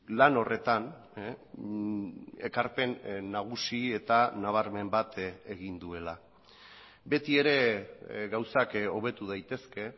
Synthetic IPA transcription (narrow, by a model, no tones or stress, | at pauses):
lano̞re̞t̪an | e̞kaɾpe̞nːaɣ̞usie̞t̪anaβ̞aɾme̞mbat̪e̞ɣind̪ue̞la | be̞t̪ie̞ɾe̞ɣawsako̞β̞e̞t̪uð̞ajt̪e̞ske̞